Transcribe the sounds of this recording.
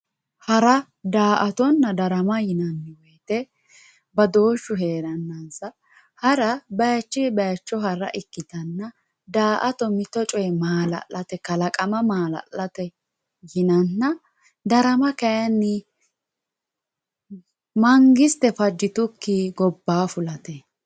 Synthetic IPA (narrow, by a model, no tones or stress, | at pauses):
hɐɾɐ | d̪aːʔɐt̪ɔnːɐd̪ɐɾɐmɐjɪnɐnːɪwɔjt̪ɛ | bɐd̪o̞ːʃːʊɦe̞ːɾɐnːɐnsɐ | hɐɾɐbɐjt͡ʃːɪbɐjt͡ʃːɔɦɐɾɐ̰ʔɪkːɪt̪ɐnːɐ | d̪aːʔɐt̪ɔmɪt̪ɔt͡ʃʼɔjmaːlɐ̰ʔːɐt̪ɛkɐlɐkʼɐmɐmaːlɐ̰lːɐt̪ɛ | jɪnɐnːɐ | d̪ɐɾɐmɐkɐjɐnːɪ | mɐŋɡɪst̪ɛfɐd͡ʒːɪt̪ʊkːɪɡɔbːaːfʊlɐt̪ɛ